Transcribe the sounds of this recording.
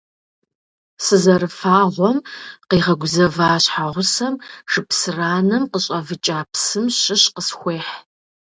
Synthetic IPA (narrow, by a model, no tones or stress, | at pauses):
sɨzɐɾɨfaːʁʷɔmqiːʁɐɡʷʊzɐvaːɕħaʁʷʊsɐmʂɨpsɨraːnɐmqəɕʼɐvɨt͡ʃʼaːpsɨmɕɪɕqəsxʷeːħ